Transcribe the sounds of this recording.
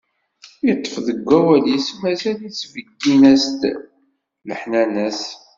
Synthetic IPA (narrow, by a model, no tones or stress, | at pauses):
jət̪ˤːə̥fðəɡʷːæwæljismæzælit͡sːvəɡːinæst̪ | ləħnænəs